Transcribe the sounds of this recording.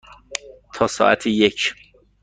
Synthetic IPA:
t̪ʰɒːsɒ̰ːʔæ̰t̪ʰejecʰ

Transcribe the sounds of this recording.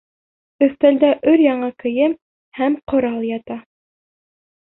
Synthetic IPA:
ɵ̆θt̪æld̪æʔɵɾjɑɴɑkɘ̆jɘm | hæmqŏɾɑlˠjɑt̪ɑ

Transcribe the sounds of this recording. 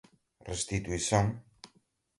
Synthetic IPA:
rest̪it̪uisõŋ

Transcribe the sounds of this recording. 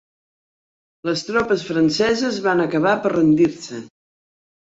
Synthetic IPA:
ləst̪ɾɔpəsfɾənsɛzəzβanəkəβapərənd̪iɾsə

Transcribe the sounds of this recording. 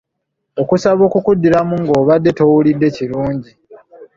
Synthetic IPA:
o̞kusaβo̞ːkukudːiɾamuŋɡo̞ːβadːe̞to̞wulidːe̞ciɾuːɲɟi

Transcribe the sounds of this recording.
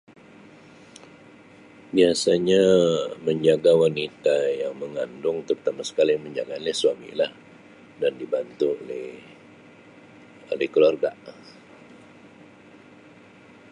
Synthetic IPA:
biasaɲaməɲd͡ʒaɡawanit̪ajaŋməŋandʊŋt̪ərt̪amasə̥kaliməɲd͡ʒaɡalɛhsuwamḭlah | dandibant̪uolɛh | o̰lɛhkəluarɡaʔ

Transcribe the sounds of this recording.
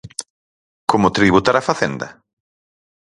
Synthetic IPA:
komʊt̪ɾiβut̪aɾafaθend̪ɐ̰

